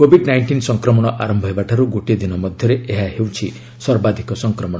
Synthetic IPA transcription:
kobʱiɖnajɳʈinsɔŋkɾɔmɔɽ̃ɔʔaɾɔmbʱɔɦebaʈʰaɾuɡoʈed̪inɔmɔd̪ʱjɔɾeeɦaɦewt͡ʃʰi | sɔɾbad̪ʱikɔsɔŋkɾɔmɔɽ̃ɔ

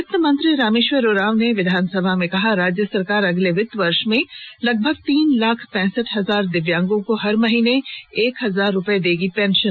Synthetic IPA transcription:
ɪt̪ːəmɐ̃nt̪ɾiɾaːmeːʃʋəɾoːɾaːʋneʋɪd̪ʱaːnsɐbʱamẽkɐɦaɾaːd͡ʒjəsɐɾkaːɾɐɡleʋɪt̪ːʋɐɾʃmẽlɐɡ̚bʱəɡ̚t̪iːnlaːkʰpɛ̃ːsəʈɦɐzaːɾd̪ɪʋjãːŋɡõkoɦɐɾmɐɦiːneeːkɦɐzaːɾːʊpəed̪eːɡipɛ̃ːnʃən

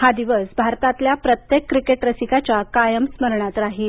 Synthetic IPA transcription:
had̪iʋəsbʱaɾt̪at̪ljapɾət̪jekːɾikeʈɾəsikat͡ɕjakajəmsməɾɳat̪ɾaɦil

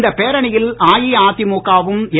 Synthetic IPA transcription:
nd̪ɐpeːɾɐɳɪjɪlaːjiaːt̪ɪmoːkːaːʋɯmɛ

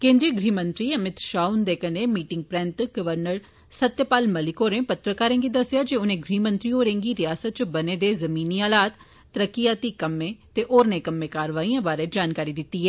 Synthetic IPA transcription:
kẽːnd̪ɾiːəɡɾiːmə̃nt̪ɾiːəmɪt̪ʃaːund̪eːkəneːmiːʈɪŋɡ̚pɾɛ̃nt̪ɡəʋəɾnəɾ | sət̪jəpaːlməlɪkoːɾẽːpət̪ɾəkaːɾẽːɡiːd̪əsːjaːd͡ʒeʊnẽːɡɾiːmənt̪ɾiːɦoːɾẽːŋɡiːɾɪjaːsət̪̚t͡ʃbəneːd̪eːzəmiːniːaːlaːt̪ː | əɾəkːijaːt̪iːkəmːẽːt̪eːʔoːɾneːkəmːẽːkaːɾʋaːiːãːbaːɾeːd͡ʒaːnkaːɾiːd̪ɪt̪ːiːɦɛː

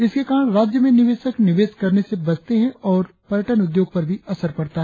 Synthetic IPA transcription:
ɪskekaːɾə̃ɳɾaːd͡ʒjəmẽnɪʋeːʃəknɪʋeːskɐɾnesebɐd͡ʒt̪eɦɛ̃ɔːɾ | pɐɾjəʈənʊd̪joːɡ̚pɐɾbʱiɐsəɾpɐɽt̪aɦɛ

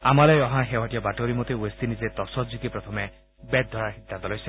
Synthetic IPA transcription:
a̰malɔjɔɦãxewaʈijɔbaʈoɾimot̪euest̪inizet̪ɔsɔtzikipɹɔt̪ʰɔmɛ | bɛd̪̚d̪ʱɔɹaɹxit̪ːant̪ɔlɔjsɛ̥

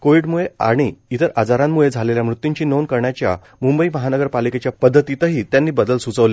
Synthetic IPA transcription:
koʋiɽmuɭea̰ɽ̃iːt̪əɾʔad͡zaɾamːuɭed͡zʱaleljamɾut̪ːiɲt͡ɕiːnonkəɾɳjat͡ɕja̰ | mumbəiːməɦanəɡəɾpaliket͡ɕjapəd̪ʱːət̪it̪əɦiːt̪janːiːbəd̪əlsut͡səʋle

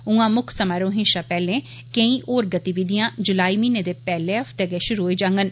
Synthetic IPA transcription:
ũãːmʊkʰsəmaːɾoːɦɪ̃nʃaːpɛːlẽː | kə̃ĩːʔoːɾɡət̪iʋid̪ijãːd͡ʒʊlaːiːmiːnẽːd̪eːpɛːleːəfʰt̪eɡɛːʃʊɾuːɦoeːd͡ʒãːŋɡən

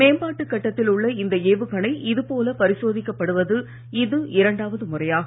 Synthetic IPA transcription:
meːmbaːʈːɯkːɐʈːɐt̪ːɪlʊɭːɐɪnd̪ɐeːʋɯkɐɳɐɪʔɪðɯpoːlɐpɐɾɪsoːðɪkːɐpːɐɽɯʋɐðɯ | ɪðɯɪɾɐɳɖaːʋɐðɯmʊrɐjaː

